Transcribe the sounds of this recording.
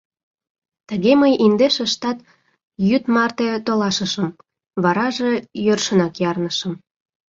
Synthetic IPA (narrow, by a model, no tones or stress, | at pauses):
t̪ə̆ɣeməjind̪eʃəʃt̪ɑt̪ | jyt̪mɑrt̪et̪olɑʃəʃəm | βɑɾɑʒejørʃənɑkjɑrnəʃəm